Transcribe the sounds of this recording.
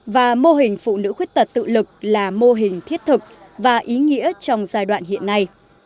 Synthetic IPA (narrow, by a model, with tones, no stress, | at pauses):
vaː˨˩mo˧ɦï˨˩ŋ̟fṵ˧˨nɨ̰˧˥xwək̚t̪ə˨˩t̚t̪ɨ̰˧˨lɨ˨˩k̚laː˨˩mo˧ɦï˨˩ŋ̟t̪ʰi˦˥ət̚t̪ʰɨ˨˩k̚ | vaː˨˩ʔi˨˦ŋḭ˧˥ət͡ɕɔ˧wŋ͡mzaː˧jɗwa̰ː˧˨nɦḭ˧˨ənːa˧j